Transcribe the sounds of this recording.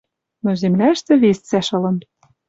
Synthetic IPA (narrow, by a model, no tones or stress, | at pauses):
nozemlæʃt̪ĕβest͡sæʃɤ̆lɤ̆n